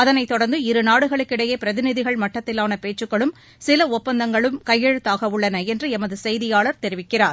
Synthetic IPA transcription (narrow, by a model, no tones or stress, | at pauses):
ɐðɐnɐɪt̪ːɔɽɐɾnd̪ɯɪɾɯnaːɽɯɣɐɭɯkːɪɽɐjeːpɪɾɐðɪnɪðɪɣɐɭmɐʈːɐt̪ːɪlaːnɐpeːʈt͡ʃːɯkːɐɭɯm | sɪlɐɔppːɐnd̪ɐŋɡɐɭɯmkɐjːɛɻɯt̪ːaːɣɐʊɭːɐnɐɛndrɯɛmɐðɯsɛjðɪjaːɭɐɾt̪ɛɾɪʋɪkːɪraːɾ